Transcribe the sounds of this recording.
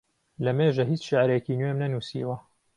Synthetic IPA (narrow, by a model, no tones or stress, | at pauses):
lɐmeːʒɐɦiːt͡ʃʃeʕɾekiːnwemnɐnuːsḭːwɐ